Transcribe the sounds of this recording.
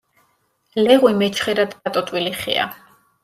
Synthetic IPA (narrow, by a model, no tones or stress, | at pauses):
lɛʁwimɛt͡ʃʰχɛɾad̪d̪at̪ʼɔt̪ʼwiliχɛ̰a̰